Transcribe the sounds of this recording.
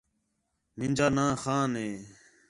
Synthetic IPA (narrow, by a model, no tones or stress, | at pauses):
nɪnʲd͡ʒaːnãːxaːneː